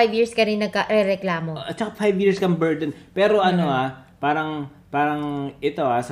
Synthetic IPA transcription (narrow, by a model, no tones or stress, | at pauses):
ajbjiːɹskɐnɪnɐɡ̚kɐɾɛɾɛklaːmoʔt͡ʃɐkafajbjiːɹskɐmbɛɹd̪ɛnpɛːɾoʔɐnoʔapaːɾɐŋ | paːɾɐŋʔɪt̪o̞ʔasɐ